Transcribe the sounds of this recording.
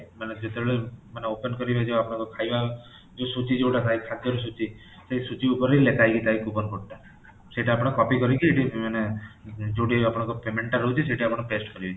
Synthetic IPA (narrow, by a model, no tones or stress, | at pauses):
maned͡ʒet̪ebeɭemaneopənkɔɾibed͡ʒeapɽ̃akokʰajba | d͡ʒosut͡ʃid͡ʒeʈakajkʰad̪jɔɾus̬ut͡ʃi | sesut͡ʃiupɔɾilekajkit̪aikubɔɾkoʈt̪a | seʈaapɽ̃akɔpikɔɾikieʈimane | d͡ʒowʈiapɽ̃ãkopemeɳʈaɾɔut͡ʃʰiseʈiapɽ̃eʈesʈkɔɾibet͡ʃi